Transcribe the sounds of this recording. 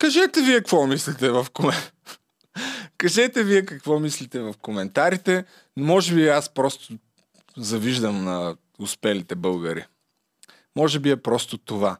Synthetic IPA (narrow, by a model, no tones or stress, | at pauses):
kɐʒɛt̪ɛviɛkvɔmislit̪ɛvɐfkom | kɐʒɛt̪ɛviɛkɐkvɔmislit̪ɛvɐfkomɛnt̪aɾit̪ɛ | nmɔʒɛbiaspɾɔst̪o | zɐviʒd̪ɐmnɐ | ʊspɛlit̪ɛbɤlˠɡəɾḭ | mɔʒɛbiɛpɾɔst̪ot̪ova